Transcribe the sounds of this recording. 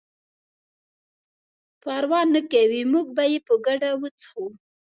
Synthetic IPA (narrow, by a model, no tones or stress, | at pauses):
pɑɾwɑnːakawimuɡbajepəɡaɖawət͡sə̥xu